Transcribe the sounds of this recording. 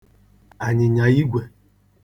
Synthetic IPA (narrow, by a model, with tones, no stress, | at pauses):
a˨ɲɪ˨ɲa˨ji˦ɡʷe˨